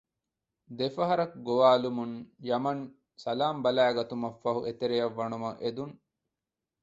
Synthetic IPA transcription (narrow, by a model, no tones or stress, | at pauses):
d̪efɐɦɐɾɐkɡoʋaːlumunjɐmɐn | sɐlaːmbɐlæːɡɐt̪umɐfːɐɦuʔet̪eɾejɐʋːɐnumɐʔed̪uŋ